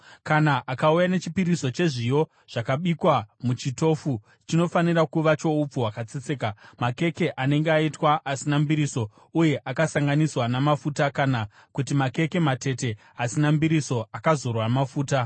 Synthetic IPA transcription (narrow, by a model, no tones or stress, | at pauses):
kanaʔakaujane̞t͡ʃipiɾiso̞t͡ʃe̞ʐijo̞ | ʐ̥akaɓikwamut͡ʃito̞fu | t͡ʃino̞fanirakuʋat͡ʃo̞up͡fuwakat͡set͡se̞ːkamake̞ke̞ʔane̞ŋɡeaitwaʔasinambiɾiso̞ | uje̞ʔakasaŋɡaniswanamafutakana | kutimake̞ke̞mate̞te̞ | asinambiɾiso̞akazo̞rwamafuːta